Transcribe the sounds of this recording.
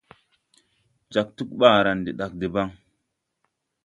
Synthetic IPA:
d͡ʒa˨k̚tu˦k̚ɓa˦˨ɾa˨ndi˨ɗa˨k̚de˨ba˦ŋ

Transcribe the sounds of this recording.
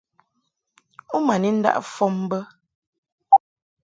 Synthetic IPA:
u˦ma˨ni˨˦n̩˦da̰˦ʔfɔ˦m˦bə˦

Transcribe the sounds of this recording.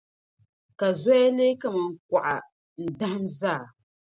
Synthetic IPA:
ka˨zɔ˦ja˦leː˦ka˦ma˨ŋ̩˦˨k̚a˨ʔa˨ | n̩˨da˦ha˦mzaː˦˨

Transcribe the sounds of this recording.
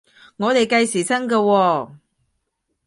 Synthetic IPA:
ŋɔː˨˧t̪e˨jkɐ˧jsiː˨˩sɐ˥ŋkɐː˧wɔː˧

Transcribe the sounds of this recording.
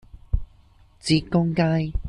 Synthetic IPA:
t͡si˨˥kʊ˥ŋkaː˥j

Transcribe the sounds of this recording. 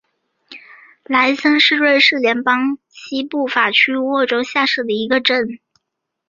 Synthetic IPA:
la˧˥ɪsə˥nʂɻ̩˥˧ɻwe˥˧ɪʂɻ̩˥˩ljɛ˧˥npɑ˥ŋ | t͡ɕʰi˥pu˥˩fa˨˩t͡ɕʰy˥wɔ˥˩ʈ͡ʂo˥ʊɕja˥˧ʂɻ̩˥˩d̪ə˩i˧˥ɡə˧ʈ͡ʂə˥˩n

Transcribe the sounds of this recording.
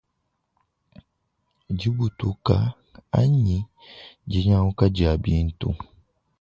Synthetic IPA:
d͡ʒi˦bu˨tu˦ka˨˦ | a˦ɲi˨˦ | d͡ʒi˨˦ɲa˦wu˦ka˦d͡ʒi˨a˨bi˦n̩˦tṵ˦

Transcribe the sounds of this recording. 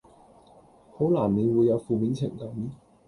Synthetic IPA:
ho˨˥wlaː˨˩mne˨˧jwuː˨˧jːɐ˨˧wfuː˨miː˨˧nt͡sʰɪ˨˩ŋkɐ˨˥m

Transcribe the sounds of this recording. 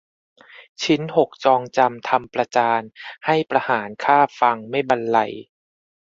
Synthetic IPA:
t͡ɕʰi˦˥nho˨˩k̚t͡ɕɔː˧ŋt͡ɕa˧mt̪ʰa˧mpɾa˧t͡ɕaː˧nha˥˩jpɾa˧haː˩˦nkʰaː˥˩fa˧ŋma˥˩jba˧nla̰˧j

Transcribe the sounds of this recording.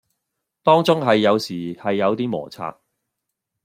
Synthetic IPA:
t̪ɔː˥ŋt͡sʊ˥ŋɦɐ˨jːɐ˨˧wsiː˨˩hɐ˨jːɐ˨˧wt̪iː˥mɔ̰ː˨˩t͡sʰa̰ː˨˧t̚

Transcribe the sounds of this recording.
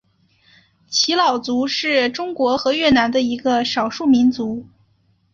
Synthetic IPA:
t͡ɕʰi˧˥lɑ˨˩ʊt͡su˧˥ʂɻ̩˥˩ʈ͡ʂʊ˥ŋkwɔ˧˥xɤ˧˥ɥɛ˥˩na˧˥nd̪ə˧i˧˥ɡə˧ʂɑ˨˩ʊʂu˥˩mi˧˥nt͡su˧˥

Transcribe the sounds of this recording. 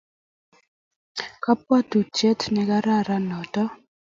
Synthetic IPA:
ka˦p̚wa˦tu˨t͡ʃɛ˦tnɛ˨ka˦ɾa˦˨ɾa˦nɔ˨tɔ˦

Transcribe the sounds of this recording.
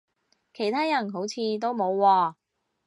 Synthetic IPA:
kʰe˨˩jt̪ʰaː˥jɐ˨˩nɦo˨˥wt͡sʰiː˨˧t̪̬o˥wmo˨˧wːɔː˧

